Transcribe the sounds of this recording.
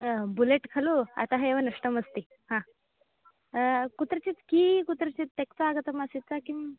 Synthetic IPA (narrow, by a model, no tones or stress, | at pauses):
buleʈkʰalua̰t̪aɦeeʋənəʂʈəməst̪i | hã | kut̪ɾət͡ɕit̪kiːkut̪ɾət͡ɕit̪ːekt͡soaɡət̪əmasit̪̚t͡sakim